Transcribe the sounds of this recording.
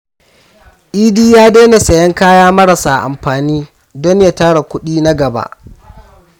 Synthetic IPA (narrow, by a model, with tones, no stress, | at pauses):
ʔiː˦diː˦jaː˦deː˦na˨sɐ˨jɐ˦ŋkaː˦jaː˦mɐ˦ɽɐ˨saː˨ʔa̰˨mɸaː˨niː˦ | dɔ˦ɲjaː˦taː˦ɽa˨kʷʊ˦ɗiː˦na˦ɡɐ˨ba̰˦ʔ